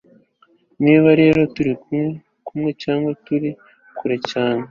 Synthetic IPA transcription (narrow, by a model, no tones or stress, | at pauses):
niːβaɾe̞ːɾo̞tuɾikume | kʰumŋe̞caːŋɡwatuɾi | kʰuɾecaːne